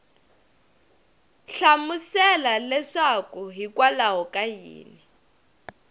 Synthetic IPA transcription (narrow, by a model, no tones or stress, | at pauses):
ɬamusɛlalɛʂakuɦikʼwalaɦɔkʼajḭːni